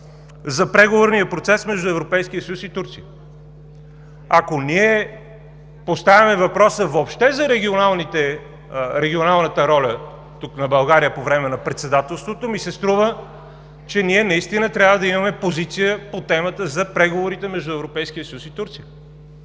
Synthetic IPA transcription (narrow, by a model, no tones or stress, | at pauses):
zɐpɾɛɡovoɾnijəpɾot̪sɛsmɛʒd̪ʊɛvɾopɛjsk̟iəsəjusit̪uɾt̪siə | akoniɛ | post̪avʲimɛvɐpɾɔsəvopʃt̪ɛzɐɾɛɡʲionalˠnit̪ɛ | ɾɛɡʲionalˠnət̪əɾɔlʲə | t̪uknɐbɐlˠɡaɾijəpovɾɛmɛnɐpɾɛt̪sɛd̪at̪ɛlˠst̪vot̪omisɛst̪ɾuvə | t͡ʃɛniɛnɐist̪inət̪ɾʲjavəd̪ɐimɐmɛpozit̪sijəpot̪ɛmət̪əzɐpɾɛɡovoɾit̪ɛmɛʒd̪ʊɛvɾopɛjskijəsəjusit̪uɾt̪sijə